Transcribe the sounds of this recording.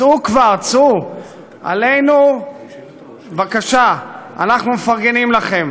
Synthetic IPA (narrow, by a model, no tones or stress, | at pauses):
t͡sukvaʁt͡su | a̰le̞jnu | vakaʃaanaχnumefaʁɡe̞nimlaχe̞m